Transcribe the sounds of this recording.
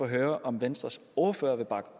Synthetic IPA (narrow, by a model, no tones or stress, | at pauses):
ɒɦøːɐʔɒ̽mʋensd̥ʁɐso̝ɐføːɐʋe̝b̥ɑ̈ɡ̥